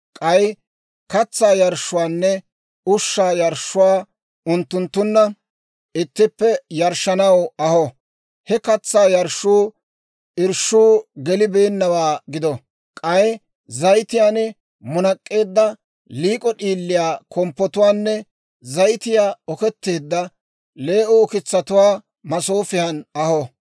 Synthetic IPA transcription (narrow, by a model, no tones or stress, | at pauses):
kʼɐj | kɐt͡sːaːjɐɾʃːʊwaːnːɛ | ʊʃːaːjɐɾʃːʊwaː | ʊnt̪ːʊnt̪ːʊnːɐ | ʔɪt̪ːɪpːɛjɐɾʃɐnɐwɐhɔ | hɛkɐt͡sːaːjɐɾʃuː | ɪɾʃuːɡɛlɪbe̞ːnːɐwaːɡɪd̪ɔ | kʼɐjɛ | zɐjt̪ɪjaːnɛ | mʊnɐkʼːe̞ːd̪ːɐ | liːkʼɔɗiːlːɪjaːkʰɔmpːɔt̪ʊwaːnːɛ | zɐjt̪ɪjaːɔkɛt̪ːe̞ːd̪ːɐ | le̞ːʔɔːkɪt͡sːɐt̪ʊwaː | mɐsoːfɪhɐnɐhɔ